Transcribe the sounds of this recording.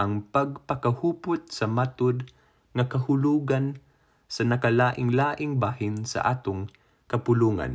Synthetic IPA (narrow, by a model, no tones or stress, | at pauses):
ʔɐŋpɐɡ̚pɐkɐhuːpʊt̪̚sɐmat̪ʊd̪ | ŋɐkɐhʊluːɡan | sɐnɐkɐlaːʔɪŋlaːʔɪŋbaːhɪnsɐ̰ʔaːt̪ʊŋ | kɐpʊluːŋa̰n